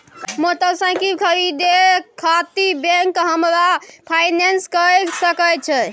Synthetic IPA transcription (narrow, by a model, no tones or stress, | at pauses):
mot̪əsə̃kikʰəɾid̪ekʰat̪ibẽŋkɦəmɾapʰajnenskəsəkət͡ʃʰɛ